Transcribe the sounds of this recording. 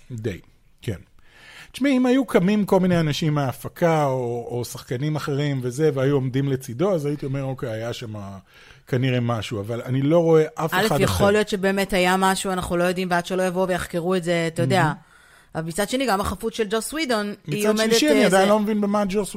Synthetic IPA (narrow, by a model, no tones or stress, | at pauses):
d̪ḛj | kenʃmiimajukʰamimko̞lmineanaʃimːeafakʰaooːsaχkanimaχe̞ʁimve̞ze̞veajuomdimle̞t͡sido̞azait̪io̞me̞ʁokeajaʃama | kaniʁe̞maʃuavalanilo̞ʁo̞e̞ʔafeladjeχoljo̞tʃe̞be̞ːmethajamaʃuanaχnulo̞jo̞dimbeadʃelo̞javo̞vejaχkeʁuetze̞at̪ajodea | valmit͡sadʃe̞niɡamaχafutʃeld͡ʒoswidonmiioamedeanniad̪ajnlomevinbemad͡ʒos